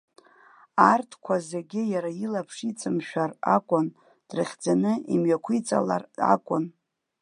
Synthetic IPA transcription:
artʰkʷʰazeɡʲɪjaɾailapʰʂit͡sʼɨmʃᶣara̰kʷʼʊn | d̥rɨχʲd͡zanɨimɥakʷʰit͡sʼa̰la̰ra̰kʷʼʊn

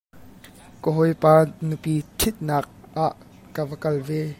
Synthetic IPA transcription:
kɔɦɔjpaːnupitʰɪt̪̚naːk̚ʔaːʔ | kavəkɐlveː

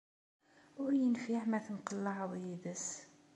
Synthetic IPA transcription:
ʊjənfiħmæθənqəlːɑʕðˤjid̪əs

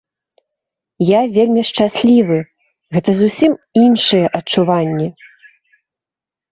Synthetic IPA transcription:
javʲelʲmʲiʂt͡ʂasʲlʲivɨ | ɣɛt̪ɐzusʲiminʂɨjɛʔɐt͡ʂuvanʲːɛ

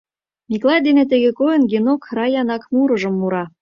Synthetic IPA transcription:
mʲiklˠɑjd̪enet̪ĕɣekojɤnɡenokrɑjɑnɑkmuɾɤ̆ʒə̆mːuɾɑ

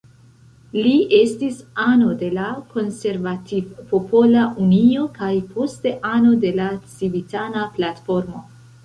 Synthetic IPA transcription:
liʔe̞stisano̞de̞lako̞nse̞ɾvativopopo̞laʔunio̞kajpʰo̞ste̞ʔano̞de̞lat͡sivitanaplatfo̞ɾmo̞

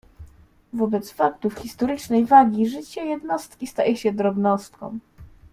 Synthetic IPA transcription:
vɔbɛt̪sfak̚t̪ufxʲist̪ɔɾɘt͡ʂnɛjvaɡʲiʐɘt͡ɕɛjɛd̪nɔst̪kʲist̪ajɛɕɛd̪ɾɔbnɔst̪̚kɔ̰̃w̃

